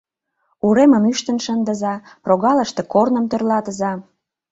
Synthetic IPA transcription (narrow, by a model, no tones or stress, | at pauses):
uɾeməmyʃt̪ənʃənd̪ə̆zɑproɣɑləʃt̪e̽kornəmt̪ørlɑt̪əzɑ